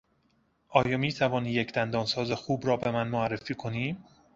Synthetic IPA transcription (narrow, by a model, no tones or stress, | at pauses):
ʔɒːjɒːmiːt̪ʰævɒːniːjecʰd̪ænd̪ɒːnsɒːzexuːbɾɒːbe̞mænmoærːefiːkʰo̞niːm